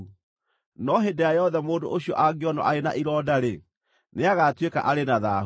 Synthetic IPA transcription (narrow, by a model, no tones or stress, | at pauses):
nɔɦedɛajɔðɛmoːndoʔoɕiɔʔaɡeɔnɔ̰ʔaena̰ʔiɾɔːdaɾe | neaɣatweka̰ʔaɾenaðaː